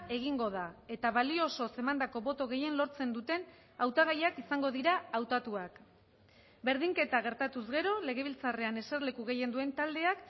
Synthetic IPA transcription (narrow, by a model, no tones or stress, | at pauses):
e̞ɣ̞iŋɡo̞ðae̞t̪aβalio̞so̞se̞mand̪ako̞βo̞t̪o̞ɣ̞e̞je̞nlo̞ɾt͡se̞nd̪ut̪e̞n | awt̪aɣajakisaŋɡo̞ðiɾaːwt̪at̪uak | be̞ɾð̞iŋke̞t̪aɣ̞e̞ɾt̪at̪uzɣe̞ɾo̞le̞ɣ̞e̞β̞ilt͡sare̞ane̞seɾle̞kuɣe̞je̞nd̪ue̞nt̪ald̪e̞ak